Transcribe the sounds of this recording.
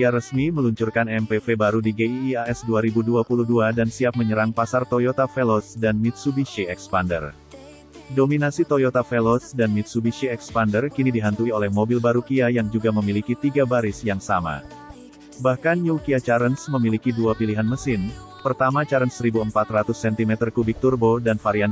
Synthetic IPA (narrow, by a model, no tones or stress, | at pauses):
kiaɾəsmiməluɲt͡ʃurkanɛmpefebaɾudiɡeiːaɛsduaɾibuduapuluhduadansiap̚məɲəɾaŋpasart̪ojot̪afɛlɔsdanmit̪̚subiʃiɛkspandə̰r | dominasit̪ojot̪afɛlɔsdanmit̪̚subiʃiɛkspandərkinidiɦant̪uiolɛhmobilbaɾukiajaŋd͡ʒuɡaməmilikit̪iɡabaɾɪsjaŋsama̰ | bahkanjukiat͡ʃaɾənsməmilikiduapiliɦanməsɪn | pərt̪amat͡ʃaɾənsəɾibuəmpat̪rat̪ʊsːɛnt̪imɛt̪ərkubɪk̚t̪urbodanfaɾian